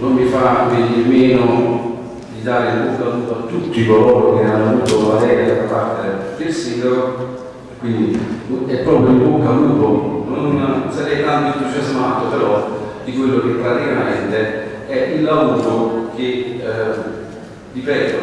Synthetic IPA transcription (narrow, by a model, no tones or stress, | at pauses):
nomːifaiɱveːd͡ʒemeːno | d̪id̪aːɾeilbukːaluːt̪at̪ut̪ːikoloːɾokeneanːoavuːt̪ovalɛːɾead̪apːart̪ed̪elsiŋɡolo | kːwind̪iɛpːɾɔːpɾjoilbokːad̪uːt̪ononsaɾɛjt̪ant̪oint̪ud͡ʒazmaːt̪opeɾɔd̪ikwelːoketːɾarimanɛnt̪e | ɛʔilːavuːɾok̟e | dipɛːt̪o